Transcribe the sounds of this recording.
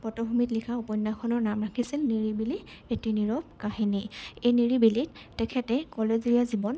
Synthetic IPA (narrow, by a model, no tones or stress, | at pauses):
pɔtɔbʱumitlikʰaupɔjnːakʰɔnɔɹnamɹakʰisilniɹibili | etiniɹɔb̚kaɦiniejniɹibilit | tɛkʰɛtɛkɔleziazibɔn